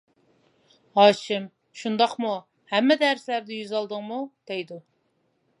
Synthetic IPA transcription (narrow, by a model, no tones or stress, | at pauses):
hɑːʃɪm | ʃund̪ɑqmu | hæmːɛd̪æɾslæɾd̪ɪjyzɑlˠd̪əŋmud̪̥ɛjd̪u